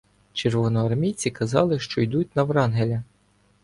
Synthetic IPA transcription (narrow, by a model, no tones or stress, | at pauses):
t͡ʃerʋɔnɔɐrmʲijt͡sʲikɐzɑ̰lˠɪʃt͡ʃɔjd̪ut̚ʲnɐʋɾɑnɦelʲɐ